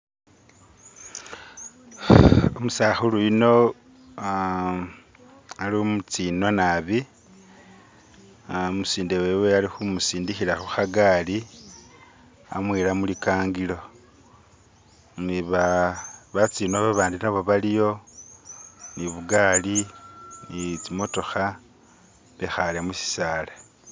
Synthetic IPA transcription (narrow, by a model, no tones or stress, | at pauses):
omusaxuluino̞ | aliomut͡siːno̞naβi | omusiːndewe̞we̞alixumusiːndixiɾaxuxaɡaːli | a̰mwiːɾamulikaːŋɡilo̞ | niβaβat͡siːnoβaβaːndinaβo̞βalijo̞ | niβuɡaːlinit͡simo̞to̞xa | βexalamusi̥saːle